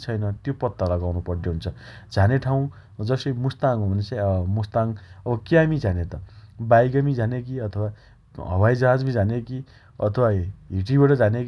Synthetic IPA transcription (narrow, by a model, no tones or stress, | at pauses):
t͡sʰʌjnʌt̪jopʌt̪ːalʌɡawnupʌrd̪eɦunt͡sʰʌd͡zʱaneʈʰaw̃ | d͡zʌsʌimust̪aŋɦũbʱʌnesamust̪aŋʌbʌkiamid͡zʱanet̪ʌbajɡʌmid͡zʱanek̬iʌt̪ʰʌwa | ɦʌ̰bajd͡zʌɦad͡zmĩd͡zʱaneki | ʌ̰t̪ʰʌwaɦiʈibaʈʌd͡zʱaneki